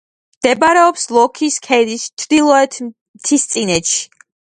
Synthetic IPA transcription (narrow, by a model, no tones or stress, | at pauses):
md̪̥ɛbaɾɛɔpslˠɔkʰiskʰɛd̪ist͡ʃʰd̪ilˠɔɛt̪ʰ | mt̪ʰist̪sʼinɛt̪ʃi̥